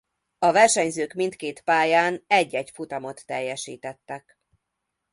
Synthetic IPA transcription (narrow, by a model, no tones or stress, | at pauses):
ɒvɛrʃɛɲzøːkmint̪keːt̪paːjaːnɛɟːɛcfut̪ɒmot̪ːɛjːɛʃḭːt̪ɛt̪ːɛk